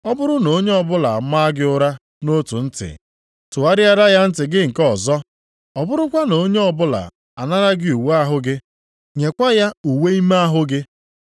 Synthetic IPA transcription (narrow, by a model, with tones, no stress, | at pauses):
ɔ˦bʊ˦ɾʊ˦no˨o˦ɲe˦ɔ˦bʊ˦la˨ma˦ɡɪ˦ʊ˦ɾa˦ | no˦tṵ˨n̩˦tɪ̰˨ | tʊ˨a˦ɾɪ˦a˦ɾa˦ja˦n̩˦tɪ˨ɡɪ˦ŋ̩˨kɔ˨zɔ˦ | ɔ˨bʊ˦ɾʊ˦kʷa˦no˨o˦ɲe˦ɔ˦bʊ˦la̰˨ | a˨na˦ɾa˦ɡɪ˦u˨wa˦ɦʊ˦ɡɪ˦ | ɲe˨kʷa˦ja˦u˨we˦i˦me˦a˦ɦʊ˦ɡɪ˦